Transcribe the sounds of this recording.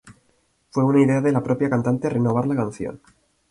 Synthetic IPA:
fwe̞unaiðe̞aðe̞lapɾo̞pjakant̪ant̪eareno̞β̞aɾlakanθjo̰n

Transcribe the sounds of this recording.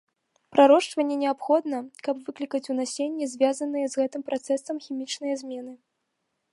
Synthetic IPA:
pɾaɾɔʂt͡ʂvɐnʲːɛnʲɛapxɔd̪nɐkɐpvɨklʲikɐt͡sʲunasʲenʲːɛzʲvʲazɐnːɨjɛzɣɛt̪ɨmpɾat̪sɛsɐmxʲimʲit͡ʂnɨjɐzʲmʲɛnɨ

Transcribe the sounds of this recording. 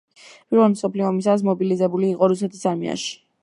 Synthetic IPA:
b̥iɾɔlmsɔpʰliɔɔmis̬as̬mɔbilizɛbuliːqʼɔɾusɛt̪ʰisaɾmḭa̰ʃi̥

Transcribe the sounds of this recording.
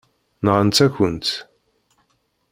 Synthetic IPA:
nəʁənt͡s̪ːæçənt͡s̪

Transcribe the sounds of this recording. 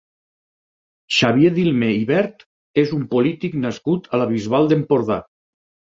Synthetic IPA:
ʃaβjeðilˠmeiβɛɾt̪ | ezumpolit̪iknaskut̪alaβ̞izβalˠd̪empoɾða̰

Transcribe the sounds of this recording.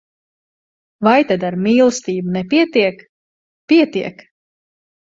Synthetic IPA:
vajt̪ad̪aɾmiːlˠɨst̪iːbunɛpiɛt̪iɛk | piɛt̪iɛk

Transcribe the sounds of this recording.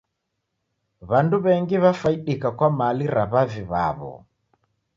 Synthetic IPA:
βanduβɛŋɡiβafaiɗikakwamaliɾaβaviβa̰βɔ̰

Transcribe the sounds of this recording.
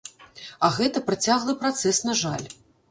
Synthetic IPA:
ɐɣɛt̪ɐpɾat͡sʲaɣlˠɐpɾat̪sɛsnɐʐalʲ

